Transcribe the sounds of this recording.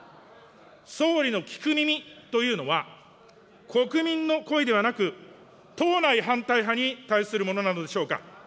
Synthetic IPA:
so̞ːɾʲino̞kʲi̥kɯ̟mʲimʲit̪o̞jɯ̟ːno̞βa | kʰo̞kɯ̟mʲĩnːo̞ko̞id̪e̞β̞anakɯ̟ | t̪o̞ːnaiɦãnt̪aiɦaɲ̟it̪aisɨɾɯ̟mo̞no̞nano̞d̪e̞ɕo̞ːka̰

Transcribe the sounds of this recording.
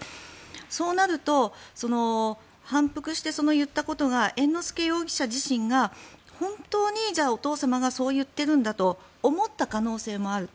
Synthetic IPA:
so̞ːnaɾɯ̟t̪o̞so̞no̞ | hãmpɯ̟kɯ̟ɕi̥t̪e̞so̞no̞jɯ̟t̪ːako̞t̪o̞ɡaʔẽ̞nːo̞sɨ̥ke̞jo̞ːɡʲi̥ɕaʑiɕĩŋɡahõ̞nt̪o̞ːɲ̟id͡ʑaːo̞t̪o̞ːsamaɡaso̞ːjɯ̟t̪ːe̞ɾɯ̟̃nd̪at̪o̞ː | mo̞t̪ːakano̞ːse̞ːmo̞aɾɯ̟

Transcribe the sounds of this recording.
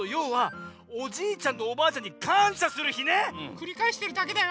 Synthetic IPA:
ojo̞ːβa | oʑiːt͡ɕãnːo̞ːbaːt͡ɕãɲ̟ːikʰãɰ̃ɕasɨɾɯ̟çinekɯ̟ɾʲikaeɕi̥t̪eɾɯ̟d̪ake̞d̪a

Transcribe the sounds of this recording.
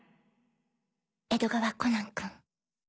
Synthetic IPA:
ed̪oɡaβakonãŋkɯ̃ŋ

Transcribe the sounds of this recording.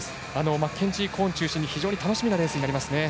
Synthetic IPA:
ano̞makʰẽ̞ɲ̟t͡ɕikʰõ̞ːɲt͡ɕɨːɕĩɲ̟ːiçiʑo̞ːɲ̟it̪anoɕimʲinaɾẽ̞sɨɲinaɾimasɨne̞

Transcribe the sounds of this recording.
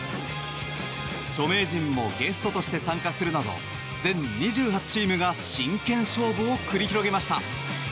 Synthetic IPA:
t͡ɕo̞me̞ːʑĩmːo̞̰ɡe̞sɨ̥t̪o̞t̪o̞ɕi̥t̪e̞sãŋkasɨɾɯ̟nad̪o̞̰ | d͡zẽ̞ɲɲiʑɨːɦat͡ɕiːmɯ̟ɡaɕĩŋkẽ̞ɰ̃ɕo̞ːboːkɯ̟ɾʲiçiɾo̞ɡe̞maɕi̥t̪a̰

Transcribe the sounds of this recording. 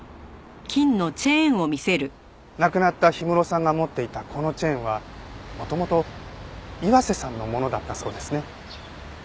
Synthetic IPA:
kʲĩnːo̞t͡ɕẽ̞ːɰ̃o̞mʲise̞ɾɯ̟ | nakɯ̟nat̪ːaçimɯ̟ɾo̞sãŋɡamo̞t̪ːe̞it̪akʰo̞no̞t͡ɕẽ̞ːɰ̃βamo̞t̪o̞mo̞t̪o̞ | iβase̞sãnːo̞mo̞no̞d̪at̪ːaso̞ːd̪e̞sɨne̞

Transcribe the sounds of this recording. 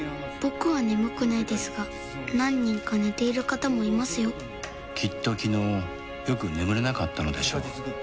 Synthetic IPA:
b̥o̞kɯ̟βane̞mɯ̟kɯ̟naid̪e̞sɨɡa | nãɲ̟ːĩŋkane̞t̪e̞iɾɯ̟kat̪amo̞imasɨjo̞ | kʲit̪ːo̞kʲino̞ː | jo̞kɯ̟nemɯ̟ɾe̞nakat̪ːano̞d̪e̞ɕo̞

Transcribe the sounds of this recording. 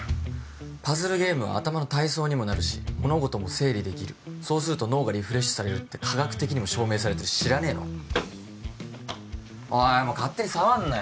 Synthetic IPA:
pazɨɾɯ̟ɡʲe̞ːmɯ̟βa̰ːt̪amano̞t̪aiso̞ːɲ̟imo̞naɾɯ̟ɕi̥̰mo̞no̞ɡo̞t̪o̞mo̞se̞ːɾʲid̪e̞kʲiɾɯ̟so̞ːsɨɾɯ̟t̪o̞no̞ːɡaɾʲiɸɯ̟ɾe̞ɕo̥saɾe̞ɾɯ̟t̪ːe̞kʰaɡakɯ̥t̪e̞kʲiɲ̟imo̞ɕo̞ːme̞ːs̬aɾe̞t̪eɾɯ̟̥ɕiɾane̞ːno̰ | amokat̪ːe̞ɲ̟isaβãnːa

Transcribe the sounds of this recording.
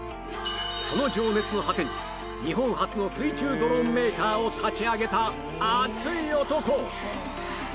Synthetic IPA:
ko̞no̞d͡ʑo̞ːne̞t͡sɨno̞ɦat̪ẽ̞ɲ̟ | ɲiɦõ̞ɰ̃hat͡sɨno̞sɨit͡ɕɨːd̪o̞ɾõmːe̞ːk̪aːot̪ʰat͡ɕiaɡe̞t̪aː | t͡sɨiot̪o̞ko̞

